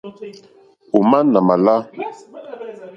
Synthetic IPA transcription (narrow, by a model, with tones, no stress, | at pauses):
o˨ma˦na˨ma˨la˦